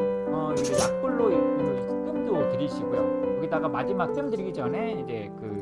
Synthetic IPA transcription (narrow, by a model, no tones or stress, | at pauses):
ʌid͡ʑenak̚p͈uɭːoiɯnʰk͈ɯmdotɯɾiɕʰiɡojokʌɡidaɡamad͡ʑimak̚t͈ɯmdɯɾiɡid͡ʑʌnɦe̞id͡ʑe̞kɯ